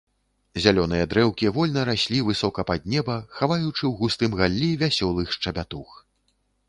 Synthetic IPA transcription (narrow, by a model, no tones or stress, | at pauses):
zʲalʲɔnɨjɐd̪ɾɛwkʲivɔlʲnɐɾasʲlʲivɨsɔkɐpad̪̚nʲɛbɐxavajut͡ʂɨwɣust̪ɨmɣalʲːivʲasʲɔlˠɨxʂt͡ʂɐbʲat̪ux